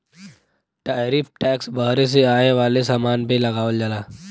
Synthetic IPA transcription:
ʈaːɾiːfʰʈɛːksbɐɦɾes̬eaːeʋaːlesaːmaːnpelɐɡaːʋəld͡ʒəlaː

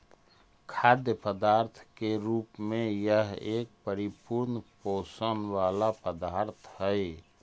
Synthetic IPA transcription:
kʰaːd̪jəpəd̪aːɾt̪ʰkeɾuːpmẽjəɦeːk̚pəɾɪpuɾnpoːsənʋaːlapəd̪aːɾt̪ʰɦəe

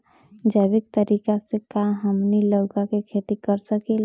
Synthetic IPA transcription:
d͡ʒəʋɪk̚t̪əɾiːkasekãɦəmniləʊkakekʰeːt̪ikəɾsəkel

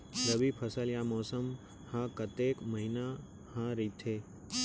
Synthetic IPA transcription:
ləbipʰɐsəljaːmɔːsəm | hãkɐt̪eːkməɦina | hãɾiːt̪ʰeː

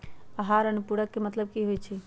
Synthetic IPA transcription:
əɦaɾənupuɽəkːemət̪ləb̚kiɦojt͡ʃʰi

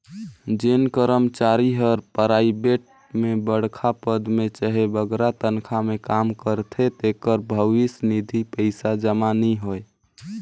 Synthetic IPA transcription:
d͡ʒenkəɾəmt͡ʃaɾiɦəɾpəɾaːibeʈ̚ | mebəɽ̤kʰapəd̪mẽt͡ʃəɦebəɡɾat̪ənkʰamekamkəɾt̪ʰet̪ekəɾbʱəʋɪsnid̪ʱipəɪsad͡ʒəmaniɦoe

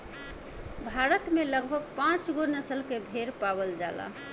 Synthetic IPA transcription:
bʱaɾət̪meləɡbʱəɡpãt͡ʃɡonəsəlkebʱeɾpabəld͡ʒala̰

